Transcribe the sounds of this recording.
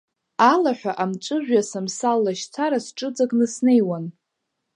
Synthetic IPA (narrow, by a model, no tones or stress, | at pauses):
alaħʷᶣaʔamt͡ʃʷʼɨʒᶣasamsalːaʃt͡sʰaɾasʈ͡ʂʼɨd͡zʼaɡnɨsne̞jwan